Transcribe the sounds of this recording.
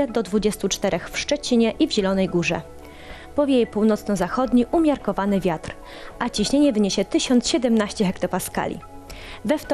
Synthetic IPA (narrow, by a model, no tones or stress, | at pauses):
ɛd̪ɔd̪vud͡ʑɛst̪ut͡ʂt̪ɛɾʔɛxfʂt͡ʂɛt͡ɕiɲɛʔivʑɛlɔnɛjɡuʐɛ̰ | pɔvʲjejɛpuwnɔt̪snɔzaxɔd̪ɲiʔumʲjaɾkɔvanɘvʲjat̪ɾ | ʔat͡ɕiɕɲeɲɛvɘɲeɕɛt̪ɘɕɔnt̪sɕɛd̪ɛmnaɕt͡ɕɛɦɛkt̪ɔpaska̰lʲḭ | vɛft̪